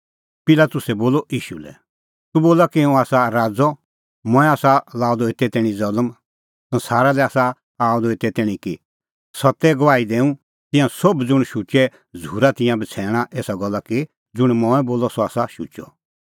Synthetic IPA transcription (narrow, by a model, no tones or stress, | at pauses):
pɪlat̪ʊsɛboːlɔʔiːʃṵlɛ̰ | t̪uboːlakiɛũaːsaɾaːd͡zɔ | mɔ̃ːɛ̃aːsalaːɔd̪ɔet̪ːɛt̪ɛːɽ̃ĩd͡zɐləm | sɐ̃nsaːɾalɛaːsa | aːɔd̪ɔɪt̪ːɛt̪ɛːɽ̃ĩki | sɐt̪ːɛɡɔʋaːid̪eːũ | t̪ɪ̃jãsobd͡zʊɽ̃ʃut͡ʃɛ | d͡zʱuːɾat̪ɪ̃jãbɐt͡sʰɛːɽ̃aʔeːsaɡɔlːaki | d͡zʊɽ̃mɔ̃ːɛboːlɔsɔaːsaʃṵːt͡ʃɔ̰